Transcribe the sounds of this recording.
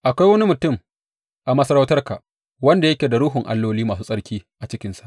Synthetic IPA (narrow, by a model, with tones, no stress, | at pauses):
ʔa˨kʷa˦jwɐ˦ni˦mʊ˨tʊ˦˨m | ʔa˨mɐ˦sɐ˦ɾa˦wtɐ˦rka˨ʔ | wɐ˦nda˨jɐ˦kʲeː˨da˨ɾʊː˦ɦʊ˨ŋʔa̰˨lːoː˦liː˦maː˨suː˦sʼɐ˦ɽkʲiː˦ʔa˨t͡ʃɪ˦kʲɪ˦nsḁ˨ʔ